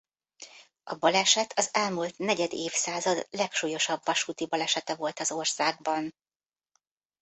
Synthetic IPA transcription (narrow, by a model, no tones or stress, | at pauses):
ʔɒbɒlɛʃɛt̪ʰɒzɛlmult̪nɛɟɛd̪eːfsaːzɒd̪lɛkʃuːjo̞ʃɒbvɒʃuːt̪ibɒlɛʃɛt̪ɛvo̞lt̪ɒzo̞rsaːɡ̚bɒn